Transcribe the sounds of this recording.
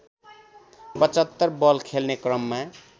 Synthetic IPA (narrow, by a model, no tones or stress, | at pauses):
pʌt͡ʃʌt̪ːəɾbʌlkʰelnekɾʌmːa